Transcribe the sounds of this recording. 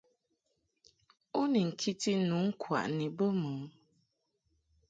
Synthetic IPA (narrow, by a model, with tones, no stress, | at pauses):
o˦ni˨ŋ̩˨kʰi˦ti˦nu˨˦ŋ̩˦kʰwa̰˨ʔni˨bə˦mə˨˦